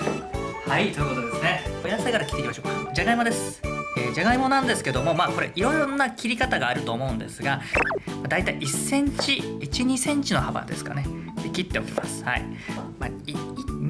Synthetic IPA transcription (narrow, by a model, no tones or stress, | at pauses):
hait̪oiɯ̟kot̪od̪e̞sɨne̞ojaseɡaɾakʲi̥t̪eimaɕoːkḁd͡ʑaɡaimo̞d̪e̞sɨ̥eːd͡ʑaɡaimo̞nãnd̪e̞sɨ̥ke̞d̪o̞mo̞maːko̞ɾe̞ʔiɾo̞ɾonakʲiɾʲikat̪aɡaːɾɯ̟t̪o̞ːmo̞ɯ̃nd̪e̞sɨɡamad̪ait̪aiʔisːẽ̞ɲ̟t͡ɕiit͡ɕiɲ̟isẽ̞ɲ̟t͡ɕino̞haba̰d̪e̞̰sɨ̥ka̰ne̞ | d̪ekʲit̪ːe̞o̞kʲima̰sɨ̥ha̰ḭ | mai